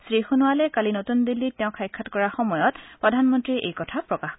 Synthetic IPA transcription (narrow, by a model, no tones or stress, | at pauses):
sɹixunʊwalɛkalinotund̪ilːitːɛʊ̃kʰajkʰːatkɔɹaxɔmɔjɔtpɹɔdʱanmɔntɹiʔḛjkɔtʰapɹɔkax